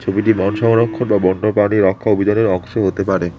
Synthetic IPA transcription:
t͡ɕʰobiʈimɔnʃɔŋɾokʰːonbabɔnɖopaniɾɔkʰːaobʱid͡ʑaneɾɔŋʃoɦot̪epaɾe

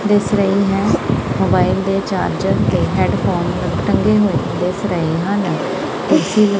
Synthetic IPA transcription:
d̪ɪsɾəiːɦɛːmoːbaːɪld̪eːt͡ʃa̰ːɾd͡ʒəɾt̪eːɦɛːɖpʰoːnəʈəŋɡeːɦoːe | d̪ɪsɾəiːɦãːn | t̪esiːlə

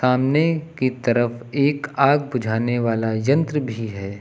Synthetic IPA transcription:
aːmnekit̪ɐɾəfeːkaːɡ̚bʊd͡ʒʱaːneʋaːlajɐ̃nt̪ɾəbʱiɦɛː

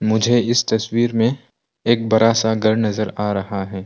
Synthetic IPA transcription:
mʊd͡ʒʱeɪst̪ɐswiːɾmẽ | eːk̚bɐɾaːsaɡɐɾnɐzəɾaːɾɐɦaɦɛː

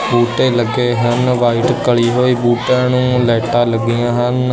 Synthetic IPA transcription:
buːʈeːləɡeːɦənʋaːɪʈkəɭiːɦoːiːbuːʈãːnũːlɛːʈãːləɡijãːɦən

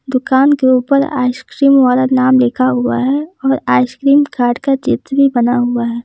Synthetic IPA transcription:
d̪ʊkaːnɡɾuːpːɐɾa̰ːɪʃkɾiːmʋaːlanaːmleːkʰaɦʊa̰ɦɛɔːɾaːɪʃkɾiːmkaːɾɖkad͡ʒɪt̪ːbʱibɐnaɦʊaɦɛː

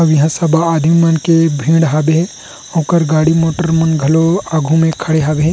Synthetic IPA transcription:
ɐwjɐɦãsɐbaːd̪ʱimimɐnkebʱĩːɽɦaːbeɦɛ̃ | õːkəɾɡaːɽimoːʈəɾmɐnɡʱɐloaːɡʱũmẽkʰɐɽeɦaːbeɦɛ̃

